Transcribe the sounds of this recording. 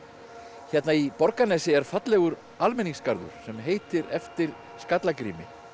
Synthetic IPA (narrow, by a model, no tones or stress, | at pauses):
çɛt̪naipɔɾkanɛːsɪɛɾ̥fat̪lɛɣʏɾ | almɛniŋskaɾðʏ̰ɾ̥sɛmɦeːjt̪ɪɾɛft̪ɪɾ̥ | skat̪lakɾiːmɪ